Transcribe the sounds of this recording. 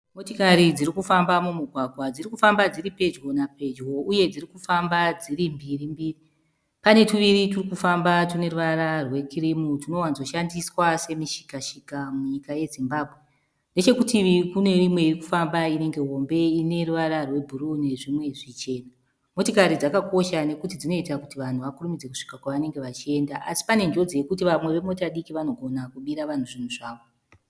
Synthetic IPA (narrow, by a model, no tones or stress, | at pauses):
mo̞tikaɾid͡ziɾikufambamumuɡʱwaɡʱwad͡zirikufambad͡ziɾipe̞d͡ʒɣo̞nape̞d͡ʒɣo̞uje̞d͡zirikufambad͡ziɾimbirimbiːri | pane̞tuʋiɾiturikufambatune̞ruʋaɾarwe̞kʰirimutuno̞wanzo̞ʃandiswase̞miʃi̥kaʃikamuɲikaje̞zimbaːbʱwe | nde̞t͡ʃe̞kutiikune̞rimwe̞iriku̥fambaine̞ŋɡe̞ɦo̞mbe̞ine̞ruʋaɾarwe̞bʱuɾune̞ʐimwe̞ʐit͡ʃe̞ːna | mo̞tokaɾid͡zakako̞ʃane̞kutid͡zino̞itakutiʋan̤uʋakurumid͡ze̞ku̥ʂi̥kakwaʋane̞ŋɡe̞ʋat͡ʃie̞ndaʔasi̥pane̞nd͡ʒo̞d͡zije̞kut̬iʋamwe̞ʋe̞mo̞taɗikiʋano̞ɡʱo̞nakuɓiɾaʋan̤uʐin̤uʐaːʋo̞